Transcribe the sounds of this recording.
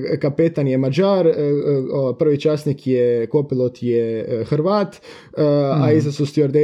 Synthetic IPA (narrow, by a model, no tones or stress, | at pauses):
kapet̪anjemad͡ʒaːɾoapr̩ʋit͡ʃasnikjekopilˠot̪jexrʋaːt̪ː | aizasust̪ioɾd̪e